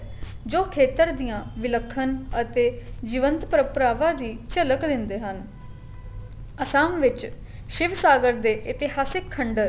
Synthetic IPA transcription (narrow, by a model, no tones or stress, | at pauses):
d͡ʒoːkʰeːt̪əɾd̪ijãːʋɪləkʰːənət̪eːd͡ʒɪʋənt̪pəɾəpɾaːʋãːd̪iːt͡ʃələkd̪ɪnd̪eːɦən | əsaːmʋɪt͡ʃ | ʃɪʋsaːɡəɾd̪eːʔɪt̪ɪɦaːsɪkʰːəɳɖəɾ